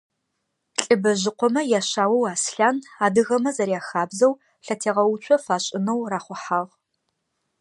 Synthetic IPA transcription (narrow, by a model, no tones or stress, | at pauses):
ɬʼɨbɐʑɪqʷʰɔmɐjaːɕaːwɐwaːsɬaːnaːdɨɣɐmɐzɐɾjaːxaːbzɐw | ɬɐtʰeːʁɐwʊt͡ʃʷʰɔfaːɕʼɪnɐwraːχʷʊħaːʁ